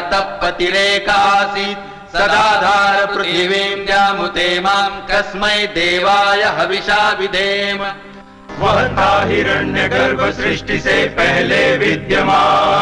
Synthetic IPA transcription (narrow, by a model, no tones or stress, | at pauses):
t̪ɐpːɐt̪ileːkaːsi | sɐd̪d̪aːd̪ʱaːɾɐpɾuiʋeːmɡ̪jaːmut̪eːmaːmkɐsmɐjd̪eːʋaːjɐɦɐʋiʃaːʋid̪ʱeːmɐ | ʋɐɦɐt̪aːɦiɾɐɳjɐɡ̪ɐɾbɐsɾiʂʈisepɐɦɛleːʋid̪jɐmaː